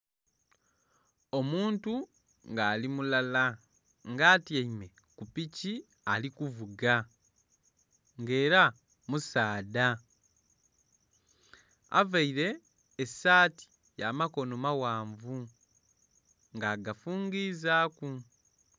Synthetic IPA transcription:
o̞muːntu | ŋɡaːlimulala | ŋɡaːtjeime̞ | kupici | alikuvuɡa | ŋɡe̞ːɾa | musaːda | a̰vaiɾe̞ː | saːti̥ | jaːmako̞nomawaːɱvu | ŋɡaːɡafuːŋɡiːzaːku

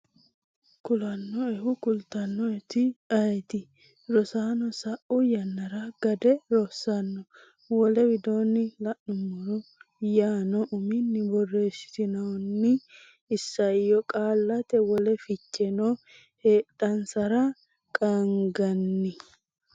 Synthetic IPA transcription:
kʊlɐnːɔɛhʊkʊlt̪ɐnːɔɛt̪ɪɐjt̪ɪ | ɾɔsaːnɔsɐʔʊjɐnːɐɾɐɡɐd̪ɛɾɔsːɐnːɔ | wɔlɛwɪd̪o̞ːnːɪlɐʔʊmɔɾɔjaːnɔʔʊmɪnːɪbɔrːe̞ːsɪ̥t̪ɪnɐwnːɪː | sːɐjɔkʼaːlːɐt̪ɛwɔlɛfɪt͡ʃːɛnɔ | heːtːɐnsɐɾɐ | kʼɐŋɡɐnːɪ

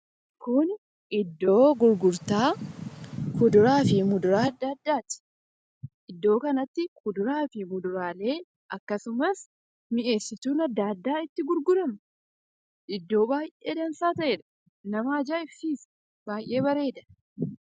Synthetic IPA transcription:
kʊn | ʔɪd̪ːo̞ːɡʊɾɡʊɾt̪aː | kʊd̪ʊɾaːfɪmʊd̪ʊɾaːɐd̪ːaːɐd̪ːaːt̪ɪ̥ | ʔɪd̪ːo̞ːkɐnɐt̪ːɪkʰʊd̪ʊɾaːfɪmʊd̪ʊɾaːle̞ː | ʔɐkːɐsʊmɐs | mɪʔe̞ːsːɪt̪uːnɐd̪ːaːd̪ːaːɪt̪ːɪɡʊɾɡʊɾɐm | ʔɪd̪ːo̞ːbaːjʔʔeːd̪ɐnsaːt̪ɐʔeːᶑɐ̥ | nɐmaːd͡ʒaːɪfːiːs | baːjʔe̞ːbɐɾe̞ːd̪ɐ̥

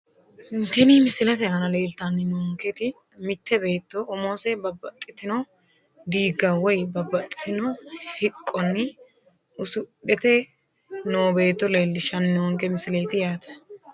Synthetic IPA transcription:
ɪnt̪ɛniːmɪsɪlɛt̪ɛhɐnɐleːlt̪ɐnːɪnwɔŋkɛt̪ɪ | mɪt̪ːɛbe̞ːt̪ːɔʔːmoːsɛbɐbːɐt̪ʼːɪt̪ːɪno | d̪iːɡɐwɔjbɐbːɐt̪ʼːɪ̥t̪ɪnɔhɪkʼːɔnːɪ | ʊsʊɗɛt̪ɛ | noːbe̞ːt̪ːɔleːlːɪʃɐnːɪwɔŋkɛmɪsɪlejt̪ɪjaːt̪ɐ̥

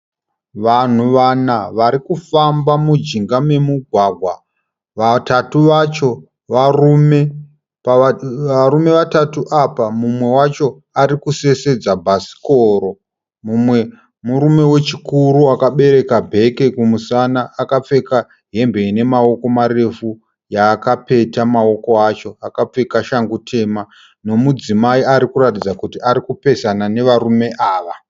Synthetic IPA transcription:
ʋan̤uʋanaʋaɾikufambamud͡ʒiŋɡame̞muɡʱwaːɡʱwa | atatuʋat͡ʃo | ʋarume | aɾume̞ʋatatuʔapamumwe̞wat͡ʃo̞ | aɾikuse̞se̞d͡zabʱasi̥koɾo̞ | mumwe | muɾume̞we̞t͡ʃikuɾuakaɓe̞ɾe̞kabʱe̞ke̞kumusanaːkap͡fe̞ka | ɦe̞mbe̞ine̞mao̞ko̞maɾe̞fu | jaːkape̞tamao̞ko̞at͡ʃo̞akap͡fe̞kaʃaŋɡutʰe̞ma | no̞mud͡zimaiaɾikuɾatid͡zakutiaɾikupe̞sanane̞ʋarume̞ʔaːʋa

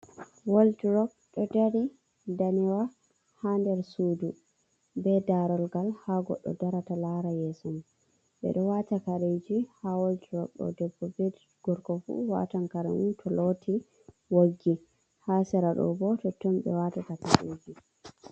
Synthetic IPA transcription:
woltɾɔk̚ | ɗɔdaɾi | daniwa | handɛɾsuːdu | bɛdaɾɔlɡalhaɡɔ̰ɗːɔ̰daɾatalaɾajɛsɔm | ɓɛ̰ɗɔwatakaɾed͡ʒihawoltɾɔk̚ɗɔ̰dɛbːɔbɛ | ɡ̥ɔɾkɔfṵwa̰tankaɾa̰muntʰɔlotʰi | woɡːi | hasɛɾaɗɔ̰bɔtɔtːɔmbɛ̰watatakaɾḛd͡ʒi

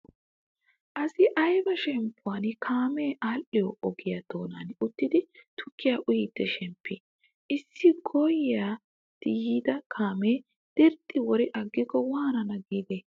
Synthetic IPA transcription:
ʔɐsɪʔɐjbɐʃɛmpːʊwankʰaːmeːʔaːlʔɪjoɔɡɪjɐt̪o̞ːnanʊt̪ːɪd̪ɪt̪ʰʊkːɪjaːʔʊjɪt̪ːɛʃɛmpːɪ | ʔɪsːɪɡɔjjaː | t̪ɪjiːd̪ɐkʰaːmeː | d̪̥ɪɾt̪ʼːɪwɔɾɪʔɐɡːɪkːɔwaːnɐnɐɡiːd̪e

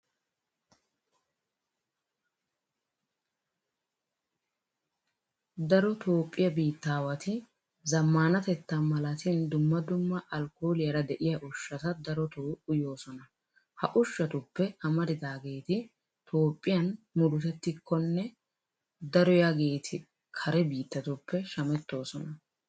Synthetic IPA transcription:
d̪ɐɾɔt̪o̞ːpʼːɪjɐbiːt̪ːaːwɐt̪ɪ | zɐmːaːnɐt̪ɛt̪ːɐmɐlɐt̪ɪnd̪ʊmːɐd̪ʊmːɐʔɐlko̞ːlɪjɐɾɐd̪ɛʔɪjɐʔʊʃːɐt̪ɐd̪ɐɾɔt̪oːʊjo̞ːsɔnɐ | hɐʔʊʃːɐt̪ʊpːɛɐmɐɾɪd̪aːɡe̞ːt̪ɪ | t̪ʰo̞ːpʼːɪjɐnmʊɾʊt̪ɛt̪ːɪkʰːɔnːɛ | d̪ɐɾɔjɐɡe̞ːt̪ʰɪ | kʰɐɾɛbiːt̪ːɐt̪ʊpːɛʃɐmɛt̪ːo̞ːsɔnɐ

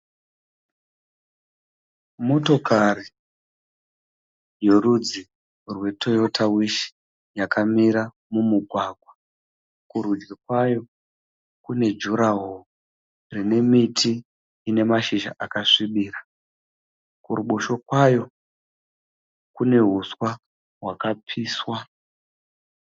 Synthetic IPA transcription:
moto̞kari | je̞rud͡zi | rwe̞tʰo̞jo̞tʰawiʃi̥ | jakamiɾa | mumuɡʱwaɡʱwa | kurud͡ʒɡekwajo̞ | kune̞d͡ʒuɾaɦo | rine̞mitʰiː | ne̞maʃiʃa̰ʔakaʂiɓiːɾa | kuruɓoʃo̞kwajo̞ | kune̞ɦuswa | ɦwakapʰiːswa

